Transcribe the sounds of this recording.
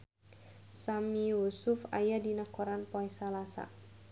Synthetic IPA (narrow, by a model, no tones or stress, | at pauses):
samiusʊfa̰jadinakɔɾanpɔɛsalasa̰